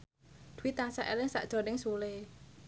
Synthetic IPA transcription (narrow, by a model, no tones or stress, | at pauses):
d̪̥uwit̪asaʔɛlɪŋsa̰ʔd̥ʒ̥o̤nɪŋsule